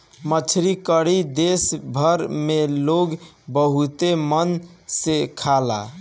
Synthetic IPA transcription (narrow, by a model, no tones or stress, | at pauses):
mət͡ʃʰɾikəɾid̪esbʱəɾmeloɡ | bəɦut̪emənsekʰala̰